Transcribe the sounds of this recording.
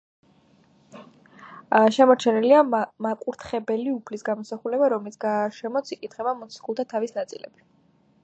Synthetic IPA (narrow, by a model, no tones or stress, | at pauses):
ʃɛmɔɾt͡ʃʰɛniliamakʼuɾt̪ʰχɛbɛliupʰlisɡamɔsaχulɛbaɾɔmɛlisɡaʃɛmɔt̪sʰikʼit̪ʰχɛbamɔt̪sʰi̥χulˠt̪ʰat̪ʰavisnat̪sʼḭlɛ̰b̥i̥